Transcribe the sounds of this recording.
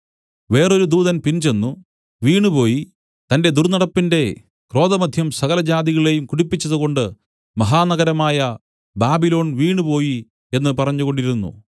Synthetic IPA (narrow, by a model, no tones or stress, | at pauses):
ʋe̞ːro̞ɾud̪uːðɐnpint͡ɕe̞nːu | ʋiːɳɨpo̞ːji | t̪ɐnde̞d̪urnɐɽɐpːinde̞ | kro̞ːðɐmɐd̪ʱjɐmsɐɣɐlɐd͡ʑaːðiɣɐɭiɭe̞jumkuɽipːit͡ɕːɐðuɣo̞ɳɖɨ | mɐɦaːnɐɣɐɾɐmaːjɐ | baːbilo̞ːɳʋiːɳupo̞ːji | e̞nːɨpɐrɐɲːuɣo̞ɳɖiɾunːṵ